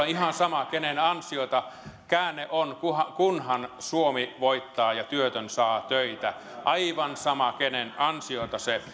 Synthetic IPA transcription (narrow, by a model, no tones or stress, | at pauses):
ihɑnsɑmɑkenenɑnsiot̪ɑkæːnːˑeʔonkuhɑkunhɑnsuomiʋoit̪ːɑːjɑt̪yøt̪ønsɑːt̪øit̪æ | ʔɑiʋɑnsɑmɑkenenɑnsiot̪ɑse